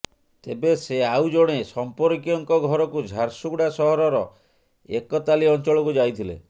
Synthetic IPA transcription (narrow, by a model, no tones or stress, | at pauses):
t̪ebeseawd͡ʒoɽ̃esɔmpɔɾkijɔŋkɔɡʱɔɾɔkud͡ʒʱaɾsuɡɽasɔɦɔɾɔɾɔ | ekɔt̪aliɔnt͡ʃɔɭɔkud͡ʒajt̪ʰilḛ